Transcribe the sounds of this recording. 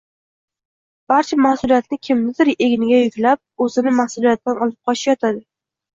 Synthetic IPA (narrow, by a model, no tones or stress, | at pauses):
b̥aɾt͡ʃʰamahsʊlijat̪nɪkʲʰɪmnɪd̪ɪɾeɡʲɪnɪɡʲajʊkʲlap̚ɵzɪnɪmahsʊlijat̪̚d̪anɒlˠɪp̚qʰɒt͡ʃaʃjɒt̪ʰad̪ɪ